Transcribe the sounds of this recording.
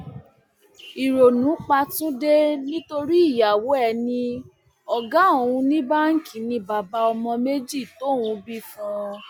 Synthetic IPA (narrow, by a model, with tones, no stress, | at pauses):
i˨ɾo˨nũ˨˦k͡pa˧tũ˦de˦nĩ˦to˧ɾi˦i˦˨ja˨wo˨˦ɛ˦˨nĩ˧ | ɔ˨ɡa˨˦o˨wũ˧nĩ˦ba˦ŋ̩˦kʰĩ˨nĩ˧ba˨ba˧ɔ˧mɔ̃˧me˦d͡ʒi˦˨to˨˦˨wũ˨˧bi˦fũ˦˧